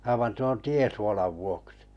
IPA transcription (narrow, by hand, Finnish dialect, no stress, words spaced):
ɑiʋɑn tuon tiesuolɑʋ ʋuoksi̥